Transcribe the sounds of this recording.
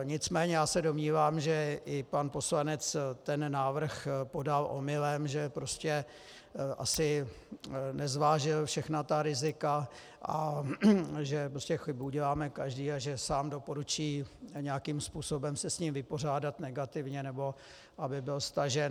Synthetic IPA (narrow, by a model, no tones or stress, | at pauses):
ɲɪt͡smɛːɲɛjaːsɛdo̞mɲiːvaːmʒɛʔɪpanpo̞slanɛt͡st̪ɛnnaːvr̩xpo̞dalʔo̰mɪlɛmʒɛpɾo̞scɛ | ʔa̰sɪ | nɛzvaːʒɪlfʃɛxnat̪aɾɪzɪka | ʔa | ʒɛpɾoscɛxɪbuuɟɛlaːmɛkaʒdiːaʒɛsaːmdo̞po̞ɾut͡ʃiːɲɛakiːmspuːso̞bɛmsɛsɲiːmvɪpo̞r̝aːdat̪nɛɡat̪ɪvɲɛnɛbo̞ | ʔabɪbɪlst̪aʒɛn